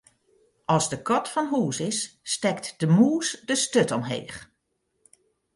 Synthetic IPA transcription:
ʔɑlˠzdəkɔtfɔnɦuːsɪsːtɛktdəmuːsdəstøtɔmɦḛːχ

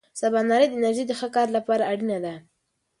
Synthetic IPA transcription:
sabɑnɑɾejd̪əɪnaɾʒejd̪əxəkɑɾlapɑɾaːɽinad̪a

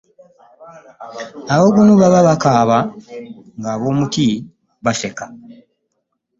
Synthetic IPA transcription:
aβo̞ɡunoβaβaβakaːβa | ŋɡaːβo̞ːmuti | βase̞ka

